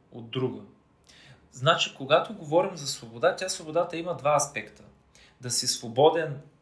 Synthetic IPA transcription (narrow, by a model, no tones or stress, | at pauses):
o̰d̪ːɾuɡə | znat͡ʃikoɡat̪oɡovɔɾimzɐsvobod̪at̪ʲasvobod̪at̪əimɐd̪vaɐspɛkt̪ə | d̪ɐsisvobɔd̪ɛn